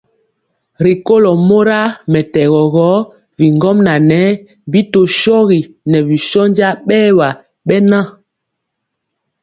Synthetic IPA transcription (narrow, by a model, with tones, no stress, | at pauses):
ɾi˨ko˦lɔ˨mo˦ɾa˦mɛ˨tɛ˨ɣɔ˨ɣɔ˨˦ | vi˨ŋɡɔ˦mna˨nɛ˨˦ | bi˦to˨ʃɔ˦ɣi˨ | nɛ˨vi˨ʃɔ˦nd͡ʒa˦ɓɛː˦wa˨ | ɓɛ˦nã˦